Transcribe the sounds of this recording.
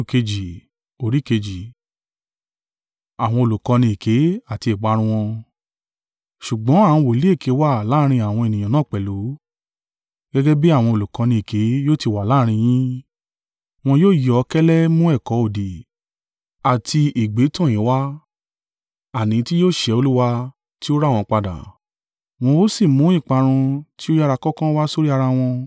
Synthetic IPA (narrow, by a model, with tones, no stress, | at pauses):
ke˧d͡ʒi˨ | o˧˦ɾi˦ke˧d͡ʒi˨ | a˨w̃ɔ̃˧o˨lu˨kɔ̃˧nĩ˧e˨ke˨˦a˦˨ti˧e˨ɡ͡ba˨˦ɾ̃ũ˧w̃ɔ̃˧ | ʃu˨ɡ͡bɔ̃˨˦a˦˨ũ˧wo˨i˨˦le˦˨kʰe˨˦wa˦˨la˦˧ɾ̃ĩ˧a˨w̃ɔ̃˧e˨nĩ˨j̃ã˨nãː˨˦˨k͡pɛ˨lu˨˦ | ɡɛ˦ɡɛ˦bi˦a˦˨w̃ɔ̃˧o˨lu˨kɔ̃˧nĩ˧e˨ke˨˦joː˦˨ti˧wa˨laː˦ɾ̃ĩ˧j̃ĩ˦ | w̃ɔ̃˧joː˦˨jɔ˨˦kɛ˦lɛ˦mũ˦ɛ˦˨kɔ˨˦o˨di˨ | a˨tʰi˧e˨ɡ͡be˨˦tɔ̃˦˨j̃ĩ˨˦wa˦ | a˨nĩ˨˦ti˦joː˦˨ʃɛ˧o˧lu˦wa˧ | ti˦o˦ɾa˦˨w̃ɔ̃˧k͡pa˧da̰˨ | w̃ɔ̃˧o˦si˦˨mũ˨˦ĩ˦˨k͡pa˨˧ɾ̃ũ˧ti˦o˦ja˦˧ɾa˧kɔ˦kã˦wa˦so˦ɾi˦a˧ɾa˧w̃ɔ̃˧